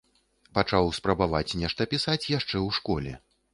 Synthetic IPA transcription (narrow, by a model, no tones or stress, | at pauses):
pat͡ʂawspɾɐbavat͡sʲnʲɛʂt̪ɐpʲisat͡sʲjaʂt͡ʂɛwʂkɔlʲɛ̰